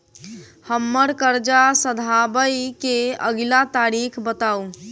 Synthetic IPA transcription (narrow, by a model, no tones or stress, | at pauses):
həmːəɾkəɾd͡ʒasəd̪ʱabəjkeəɡlat̪aɾikʰbət̪au